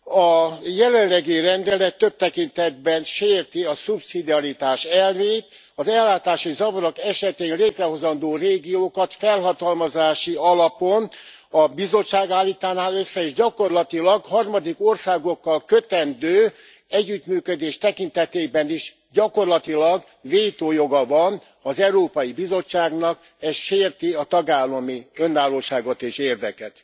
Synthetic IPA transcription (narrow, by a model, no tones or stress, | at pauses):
ɒjɛlɛnlːɛɡirɛnd̪ɛlɛt̪ːøb̚t̪ɛkint̪ɛd̪̚bɛnʃeːrt̪iɒsupsid̪iɒɾit̪aːʃɛlveːt̪ | ɒzɛlːaːt̪aːʃizɒvɒɾokɛʃɛt̪eːnleːt̪rɛɦo̞zɒnd̪oːreːɡijoːkɒt̪fɛlɦɒt̪ɒlmɒzaːʃiɒlɒpo̞n | ɒbizo̞t͡ʃːaːɡaːlːiːt̪aːnaːløsːɛeːʒɟɒko̞rlɒt̪ilɒɡhɒrmɒd̪iko̞rsaːɡo̞kːɒlkøt̪ɛnd̪øː | ɛɟːyt̪myːkød̪eːʃt̪ɛkint̪ɛt̪eːbɛniʃ | ɟɒko̞rlɒt̪ilɒɡ | ʋeːjt̪oːjo̞ɡɒvɒn | ɒzɛuɾoːpɒjibizo̞t͡ʃːaːɡnɒk | ɛsʃeːrt̪iɒt̪ɒɡaːlːɒmiønːaːlːoːʃaːɡo̞t̪eːʃeːrd̪ɛkɛt̪